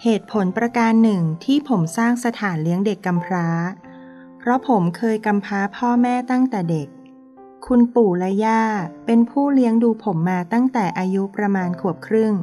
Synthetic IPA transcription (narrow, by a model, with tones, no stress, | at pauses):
heː˨˩t̪̚pʰo˩˦npɾa˧kaː˧nːɯ˨˩ŋt̪ʰiː˥˩pʰo˩˦msaː˥˩ŋsa˧t̪ʰaː˩˦nli˦˥əŋde˨˩kːa˧mpʰɾaː˦˥ | pʰɾɔ˦˥pʰo˩˦mkʰɤː˧jka˧mpʰɾaː˦˥pʰɔː˥˩mɛː˥˩t̪a˥˩ŋt̪ɛː˨˩de˨˩kʰː | u˧npuː˨˩lɛ˦˥jaː˥˩pe˧npʰuː˥˩li˦˥əŋduː˧pʰo˩˦mːaː˧t̪a˥˩ŋt̪ɛː˨˩ʔaː˧ju˦˥pɾa˧maː˧nkʰu˨˩əp̚kʰɾɯ˥˩ŋ